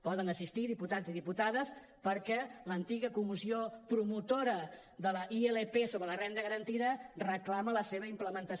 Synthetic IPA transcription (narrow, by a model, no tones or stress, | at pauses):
pɔðənəsist̪iðiput̪aziðiput̪aðəs | pəɾkɛlənt̪iɣəkumisiopɾumut̪oɾə | ðələʔieləpesoβɾələrɛnd̪əɣəɾənt̪iðərəklamələseβəimpləmənt̪əs